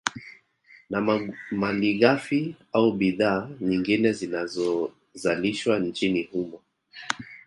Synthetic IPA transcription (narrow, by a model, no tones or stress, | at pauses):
namaliɣafi | auɓiðaːɲiŋɡinɛzinazɔ | zaliʃwan̩t͡ʃinihumɔ